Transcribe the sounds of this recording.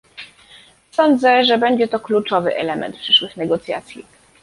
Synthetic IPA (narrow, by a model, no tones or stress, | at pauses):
sɔnd̪zɛʐɛbɛɲd͡ʑɛt̪ɔklut͡ʂɔvɘ̰ʔɛ̰lɛmɛ̰nt̪̚pʂɘʂwɘxnɛɡɔt̪sʲja̰t̪sʲjḭ